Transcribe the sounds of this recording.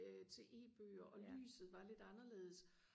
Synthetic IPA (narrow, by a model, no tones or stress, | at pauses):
t͡sʰe̝ʔe̝̰ːb̥ø̰ːɐʔɒ̽ly̰ːsð̩ˠʋɑ̈le̝d̥ɑ̈nɐle̝̰ːð̞̩ˠs